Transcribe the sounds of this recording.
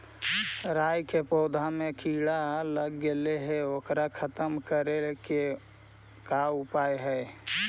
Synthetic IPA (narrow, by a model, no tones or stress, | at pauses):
ɾaːjkepɔːd̪ʱamekʰiːɽaləɡːeleɦeoːkɾakʰət̪əmkəɾeke | kaʊpaːjɦɛː